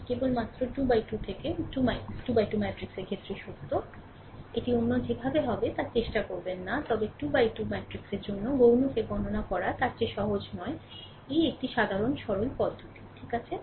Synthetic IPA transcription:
kebolmat̪ːɾoʈubajʈut̪ʰekeʈumaʈubajʈumɛʈɾikseɾɡʰʱet̪ːɾiʃukt̪o | eʈionːod͡ʑebʱabeɦɔbet̪aɾt͡ɕeʃʈakoɾbenːat̪ɔbeʈubajʈumɛʈɾikseɾd͡ʑonːoɡownukeɡʱɔnonakɔɾat̪aɾt͡ɕeʃɔɦod͡ʑnɔe | ejek̚ʈiʃad̪ʱaɾonʃɔɾonpɔd̪ʱːot̪i̥ʈʰikat͡ɕʰe

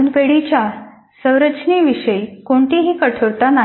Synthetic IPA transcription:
npeɽit͡ɕja | sə̃wɾət͡ɕniʋiɕəjkoɳʈ̪iɦiːkəʈʰoɾt̪ana

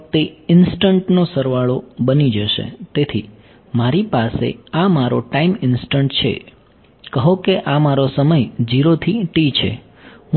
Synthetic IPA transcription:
t̪eɪnsʈəɳʈnosəɾʋaɭobənid͡ʒəʃḛt̪et̪ʰi | maɾipasḛamaɾo̰ʈaimɪnsʈəɳʈt͡ʃʰḛ | kəɦokeʔamaɾosəməjd͡ʒiɾot̪ʰiʈit͡ʃʰḛ | ɦ

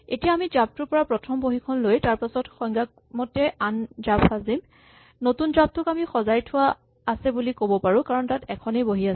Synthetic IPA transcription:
etijaːmizap̚tʊɹpɔɹapɹɔtʰɔmboɦikʰɔnlojtaɹpasɔtxɔjŋɡak̚mɔtːɛanzapxazim | notunzab̚tʊkamixɔzajtʰʊwaː | sɛbulikobɔpaɹũkaɹɔntatɛkʰɔnejboɦia

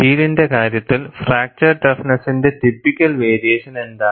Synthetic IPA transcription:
iːlinde̞kaːɾjɐt̪ːilfraːk̚t͡ɕɐrʈɐfnɐsinde̞t̪ipːikʲːɐlʋeːɾijeːʂɐneɳɖ̪ɐ

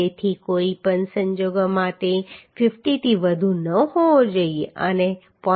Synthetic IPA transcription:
et̪ʰikoipənsəɲd͡ʒoɡmãt̪efɪfʈit̪ʰiʋəd̪ʱunəɦod͡ʒəieə̰ne | pɔ̃

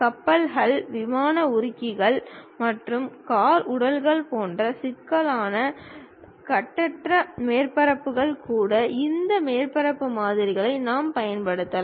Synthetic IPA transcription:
kɐpːɐlɦɐɭʋɪmaːnɐʊɾɪkːɪɣɐɭmɐʈrɯmkaːɾʊɽɐlɣɐɭpoːndrɐsɪkːɐlaːnɐ | kɐʈːɐʈrɐmeːrpɐɾɐpːɯɣɐɭkuːɽɐʔɪnd̪ɐmeːrpɐɾɐpːɯmaːðɪɾɪɣɐɭɐɪnaːmpɐjɐnpɐɽɯt̪ːɐlɐ̃

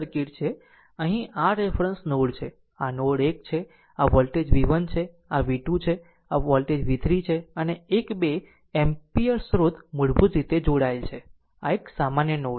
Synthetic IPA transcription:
ɾkiʈt͡ʃʰe | əɦĩʔaɾefɾənsnoɽt͡ʃʰe | anoɽekt͡ʃʰe | aʋɔlʈed͡ʒʋiʋənt͡ʃʰe | aʋiʈũt͡ʃʰe | aʋɔlʈed͡ʒʋit̪ʰɾit͡ʃʰeəneːkbe | empiəɾsɾot̪muɽbũd͡ʒɾit̪ed͡ʒoɽaelt͡ʃʰe | a̰eksamanjənoɽ

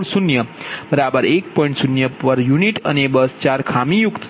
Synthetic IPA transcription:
ɽsunjəb̥əɾabəɾek̚pɔjĩɳʈsunjəpəɾjuniʈənebəst͡ɕaɾkʰamijukt̪

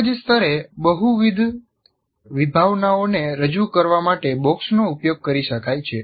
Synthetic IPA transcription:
d͡ʒest̪ʰəɾebəɦuʋid̪ʱ | ʋibʱaʋnaoneɾəd͡ʒukəɾʋamaʈebɔksnoupjoɡ̚kəɾiʃəkajt͡ʃʰe

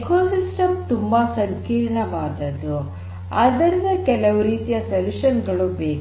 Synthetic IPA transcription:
koːsisʈɐmt̪umbɐsɐŋkiːɾɳɐʋaːd̪ɐd̪u | ɐd̪ɐɾid̪ɐkɛlɐʋuɾiːt̪ijɐsɐluʃɐnɡɐɭubeːk

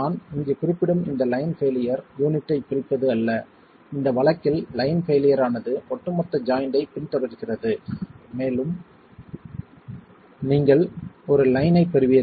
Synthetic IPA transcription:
aːnɪŋɡɯkʊɾɪpːɪɽɯmɪnd̪ɐlɐjnfeːlɪjɐɾjuːnɪʈːɐɪpʊɾɪpːɐðɯɐlːɐ | ɪnd̪ɐʋɐɭɐkːɪllɐɪnfeːlɪjɐɾaːnɐðɯɔʈːɯmɐt̪ːɐd͡ʒaːjnɖɐɪpɪnt̪ɔɾɪɾɯɣɪrɐðɯmeːlɯm | niːŋɡɐɭɔɾɯlɐɪnɐɪpːɛɾɯʋɪjɐ

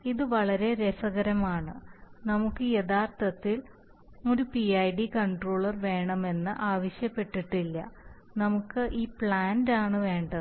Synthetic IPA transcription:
iðɨʋɐɭɐɾe̞ɾesɐɣɐɾɐmaːɳɨnɐmukːɨjeðaːrt̪ɐt̪ːil | o̞ɾupiɐjɖikɐɳɖroːɭɐrʋe̞ːɳɐme̞nːɨʔaːʋɐɕjɐpːe̞ʈːiʈːilːɐ̰ | nɐmukːɨʔiːpɭaːndaːɳɨʋe̞ːɳɖɐðɨ

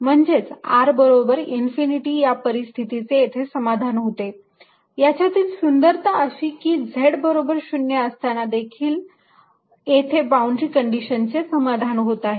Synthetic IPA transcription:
m̤əɳd͡zet͡saɾbəɾobəɾinfiniʈiːjapəɾist̪ʰit̪it͡seet̪ʰesəmad̪ʱanɦot̪e | jat͡ɕjat̪iːlsund̪əɾt̪aəɕiːkiːd͡zʱeɽbəɾobəɾɕunːjəəst̪anad̪ekʰiːl | et̪ʰebawɳɖɾikəɳɖiɕənt͡sesəmad̪ʱanɦot̪aɦe

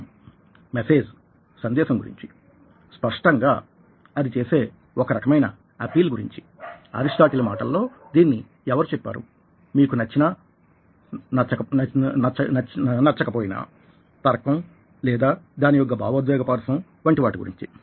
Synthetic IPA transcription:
mese̞ːd͡ʒ | sɐnd̪ɛːʃɐmɡuɾḭɲt͡ʃi̥ | spɐʂʈɐŋɡaː | ɐd̪it͡ʃeːse̞ː | ɔkɐɾɐkɐmɐjnɐ | ɐpiːlɡuɾḭɲt͡ʃi̥ | ɐ̰ɾisʈaːʈilɐmaːʈɐlːo̞ːd̪iːnːi | ɛʋɐɾut͡ʃɛpːa̰ːɾṵ | miːkunɐt͡ʃːinɐ | nɐt͡ʃɐkɐɐt͡ʃɐɐnɐɾt͡ʃɐkɐpoːjina̰ː | t̪ɐɾɐkɐm | lɛːd̪aːd̪aːnijɔɡːɐba̰ːʋɐd̪ʋɛːɡɐpaːɾɐsɐm | ʋɐɳʈiʋaːʈuɡṵɾḭɲt͡ʃi

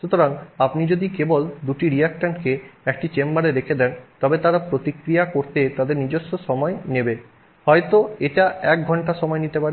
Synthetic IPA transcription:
ʃut̪oɾaŋapnid͡ʑod̪ikebold̪uʈiɾiakʈanʈkeɛk̚ʈit͡ɕembaɾeɾekʰed̪ɛnt̪ɔbet̪aɾapɾot̪ikɾijakoɾt̪et̪ad̪eɾnid͡ʑoʃːoʃɔmɔenebe | hɔet̪oeʈaɛk̚ɡʱɔɳʈaʃɔmɔenit̪epaɾe

